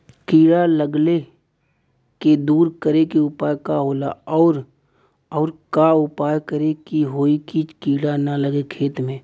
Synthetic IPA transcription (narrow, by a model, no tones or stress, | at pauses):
kiːɽaləɡle | ked̪uːɾkəɾekeʊpaːjkaɦoːla̰ɔːɾ | ɔːɾkaʊpaːjkəɾekiɦoːikikiːɽanaləɡekʰeːt̪mẽː